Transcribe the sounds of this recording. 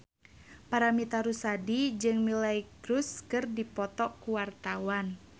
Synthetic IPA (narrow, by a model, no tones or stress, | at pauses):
paɾamit̪aɾusadid͡ʒɨŋmilaiɡɾuskɨrdipɔt̪ɔkuwart̪awan